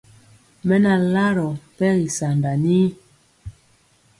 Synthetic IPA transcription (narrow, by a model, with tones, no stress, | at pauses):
mɛ˦na˨la˦ɾɔ˨pɛ˦ɣi˨sa˨nda˨ni˦